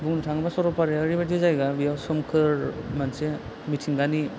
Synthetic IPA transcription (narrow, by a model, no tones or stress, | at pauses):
buŋnutʰaŋɯbasɔɾɔpaɾeaɾibat̬izajɡabijawsɔmkʰɯɾmanse | mitʰiŋɡani